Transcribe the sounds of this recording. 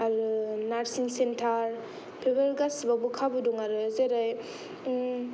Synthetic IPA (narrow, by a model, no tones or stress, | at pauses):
aɾɯnaɾsinsentʰaɾ | pʰebelɡasibabukʰabuduŋaɾɯzeɾaj